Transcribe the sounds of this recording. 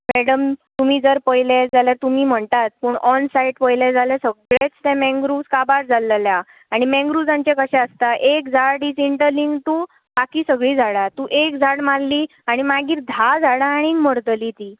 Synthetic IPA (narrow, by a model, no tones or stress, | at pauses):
mɛɽəmt̪umiːd͡zəɾpəjled͡zaljat̪umiːm̤əɳt̪at̪̚pəɳɔnsaiʈpəjled͡zʱaljasəɡɭet͡st̪ɛ̃mɛ̃ŋɡɾuskabaɾd͡zʱallja | aɽ̃imɛ̃ŋɡɾud͡zãɲt͡ɕekəɕɛ̃əst̪aʔek̚d͡zʱaɽɽiːt͡siɳʈəɾliŋɡt̪uː | bakiːsəɡɭiːd͡zʱaɭat̪uːʔekd͡zʱaɽmalliː | aɽ̃imaɡiːɾd̪ʱad͡zʱaɽaːɽ̃iməɾd̪liːt̪iː